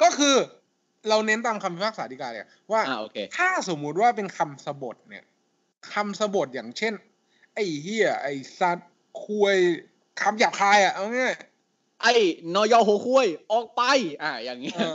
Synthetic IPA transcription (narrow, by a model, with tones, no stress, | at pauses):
kɔː˥˩kʰɯː˧ | ɾa˧wne˦˥nt̪aː˧mkʰa˧mpʰi˦˥pa˥˩ksaː˨˩˦d̪iː˧kaː˧˩˧a̰˨˩waː˥˩a˧ʔo̰ː˧kʰḛː˧t̪ʰaː˥˩so˩˦mːu˨˦˥t̪̚waː˥˩pe˧nkʰa˧msa˧bo˨˩t̪̚ni˨˩ɐ | kʰa˧msa˧bo˨˩t̪̚ja̰ː˨˩ŋt͡ɕʰe˥˩n | ʔa˧˩jɦiː˧˩ɐʔa˧˩jsa˦˥t̪̚ | kʰu˧əj | kʰa˧mjaː˨˩p̚kʰaː˧jʔa˨˩ʔa˧ŋiː˦˥˨j | ʔa˧˩jnɔː˧˥jɔː˧˩hoː˧˦kʰu˧˩əjʔɔː˨˩k̚pa˧˩jʔaː˧˩jaː˨˩ŋːi˦˥